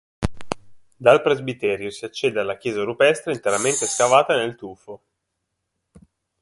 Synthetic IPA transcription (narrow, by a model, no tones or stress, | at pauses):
d̪alpɾezbit̪ɛːɾjosiat͡ʃːɛːd̪ealːakjɛːzaɾupɛst̪ɾeint̪eɾament̪eskavaːt̪anelt̪uːfo